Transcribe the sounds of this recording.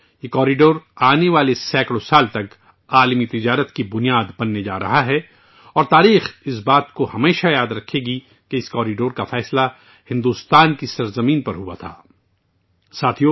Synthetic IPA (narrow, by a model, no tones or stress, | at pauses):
jekɔːɾiɖoːɾaːneʋaːlesɛːkɽosaːlt̪ɐk | aːlmit̪ɪd͡ʒaːɾət̪kibʊnijaːd̪bɐnːed͡ʒa̰ːɾɐ̰ɦaɦɛ | ɔːɾt̪aːɾiːxɪsbaːt̪kohɐmeːʃajaːd̪ɾɐkʰːeːɡi | keɪskɔːɾiɖoːɾkafɛːsla | hɪ̃nd̪uːst̪aːnkisɐɾzɐmĩːnpɐɾɦua̰t̪ʰa̰ː | saːt̪ʰijoː